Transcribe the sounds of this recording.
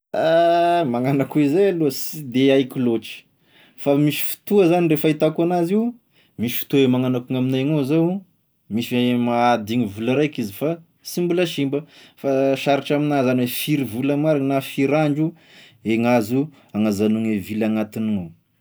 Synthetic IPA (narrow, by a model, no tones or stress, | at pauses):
amaŋanakuizealuəsid̪eajkiloʈ͡ʂi̥ | famisi̥fi̥t̪uəzanirefait̪akuanaziw | misi̥fi̥t̪uemaŋanakuŋaminajŋozaw | misimaːd̪iɲivulaɾajkizifa | simbulaʃimbəfaʃaɾiʈ͡ʂaminazanwefiɾivulamaɾinafiɾaɳd͡ʒu | eŋazu | aŋazanuŋevilaŋat̪iniŋow